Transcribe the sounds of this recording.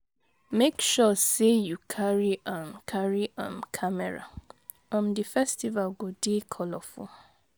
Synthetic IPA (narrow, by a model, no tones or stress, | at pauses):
mekʃɔsejukʰaɹiʔãnkʰaɹiʔãmkʰamɛɹa̰ | ãmdifɛstivalɡodekʰɔlɔfṵ̃